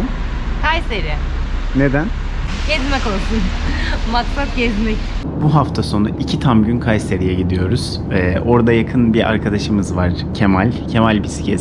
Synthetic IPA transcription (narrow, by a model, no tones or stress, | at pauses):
kʰajseɾijɛ | ned̪æn | ɟ̥ɛzmɛkoɾsunmaksap̚ɟɛzmɛc | buɦaft̪ʰaso̞naʔicʰit̪ʰamɟynkʰajseɾijɛɟid̪ijo̞ɾuz̥ | ɛʔo̞ɾd̪ajakʰɯnbiʔa̰ɾkʰad̪aʃɯmɯzvaɾ̥cʰe̞malʲcʰe̞malʲbisi̥cʰɛs